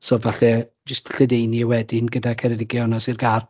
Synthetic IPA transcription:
sɔvaɬɛ | d͡ʒəstʰɬədejniəwɛdɪnɡədakʰɛɾɛdɪɡjɔnɔsirɡar

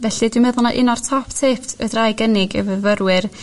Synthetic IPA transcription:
vɛɬɨdwɪmɛðʊlˠnaʔɪnɔrtʰɔptʰeːptʰə̰drajɡənɪɡə̰vəvəɾwɪɨr

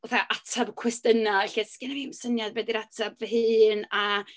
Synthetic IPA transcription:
ɔθaʔatʰabkʰwɛstənaɛɬiskɪnavimsənjadbwɛdiɾatʰabvəɦɨːna

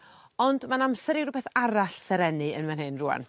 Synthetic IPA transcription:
ɔndmanamsɛɾiwrʊbɛθaɾaɬsɛɾɛnɨə̰nmɛnɦenrʊa̰n

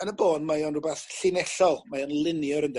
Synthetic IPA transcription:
ənəboːdmajɔnrʊbɛθɬɪnɛɬɔlˠmajɔnlˠɪnjɔɾənd

